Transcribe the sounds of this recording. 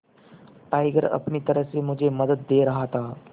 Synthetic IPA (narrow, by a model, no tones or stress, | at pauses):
ʈaːjɡəɾɐ̰pnit̪ɐɾəɦsemʊd͡ʒʱemɐd̪ət̪̚ːeːɾɐɦat̪ʰaː